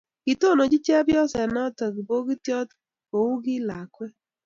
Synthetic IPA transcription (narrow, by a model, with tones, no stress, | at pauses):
ki˨to˦˨no˨d͡ʒi˦t͡ʃe˦bjɔ˦sɛ˨nɔ˦ta˨ɡi˨bo˦ɡi˦ti˦ɔ˦t | o˨wu˦ɡi˦la˨kʷwe˦